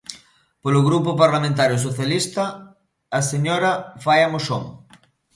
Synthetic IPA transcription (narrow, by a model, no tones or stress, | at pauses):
polʊɣɾup̬ʊpaɾlamẽnt̪̬aɾjʊsoθjalist̪ɐː | seɲoɾɐfajamoʃo̰ŋ